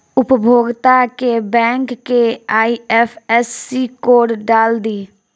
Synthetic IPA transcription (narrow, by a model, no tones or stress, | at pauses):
ʊpbʱoːɡt̪akebɛ̃ːŋkːeaːiɛːfʰɛsːikoːɽɖaːld̪iː